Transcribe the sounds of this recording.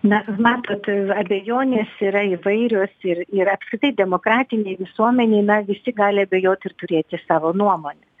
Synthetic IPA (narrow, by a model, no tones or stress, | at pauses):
nɐmɑːt̪oːt̪ɐbʲɛjoːnʲeːsiɾɐɪʋɐɪɾʲoːsɪrɪɾɐpskɾʲɪt̪ɐɪd̪ʲɛmoːkɾɑːt̪ʲɪnʲɛɪʋʲɪsuɔmʲɛnʲɛɪnɐʋʲɪsʲɪɡɑːlʲɪɐbʲɛjoːt̪ɪrt̪ʊɾʲeːt̪ʲɪsɑːʋoːnuɔmoːnʲɛ